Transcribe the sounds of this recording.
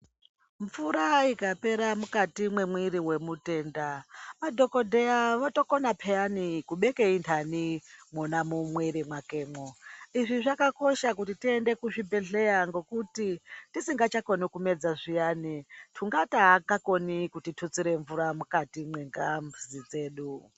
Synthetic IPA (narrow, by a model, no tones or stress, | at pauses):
ɱvuɾaikape̞ɾamukatimwe̞mwiɾiwe̞mute̞ːndaʋadʱo̞ko̞dʱejaʋato̞konapʰejanikuɓe̞keintʰanimonamumweɾimwake̞ːmoiʐiʐakako̞ʃakutitie̞nde̞kuʐibʱe̞ɮe̞jaŋɡo̞kutitisiŋɡat͡ʃako̞nikume̞d͡zaʐijaːnitʰuŋɡataːkako̞nikutitʰut͡siɾe̞ɱvuɾamukatimweŋɡamuzid͡ze̞ːɗu